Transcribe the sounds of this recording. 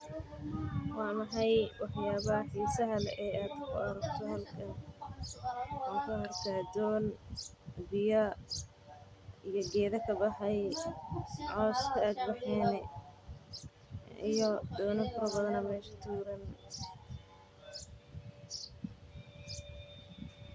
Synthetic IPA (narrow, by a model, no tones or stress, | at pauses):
wɑːmɑħɑjwɑħjaːβɐħiːsɐɦɐlʔɛːʔaːd̪̥kʰʊɐɾɐɡt̪ʰɔhɐlkʰɐn | ɔːŋkʰʊhɐrt̪ʰaːd̪ɔːn | bɪjɐ | ijɞɡɛːðɐkʰɐbɑħɛj | ʕɔːskʰɐaːd̪̚bɑħɛːnɛ | ijɔd̪ɔːnɪfɐɾɐbɐðɐnɐmɛːʃɐ̥t̪ʰuːɾɐn